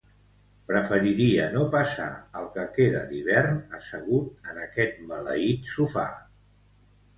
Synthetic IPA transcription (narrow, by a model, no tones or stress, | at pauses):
pɾəfəɾiɾiənopəsa̰əlˠkəkeðə̰d̪iβɛrnəsəɣut̪̚ənəkɛt̪̚mələ̰it̪sufa̰